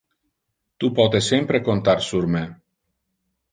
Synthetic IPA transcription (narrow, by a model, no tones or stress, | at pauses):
t̪upɔt̪esempɾekont̪arsurme